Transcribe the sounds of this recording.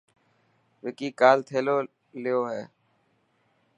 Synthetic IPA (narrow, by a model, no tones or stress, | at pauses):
ʋɪkiːkaːlt̪ʰeːloː | lɪjoːɦɛː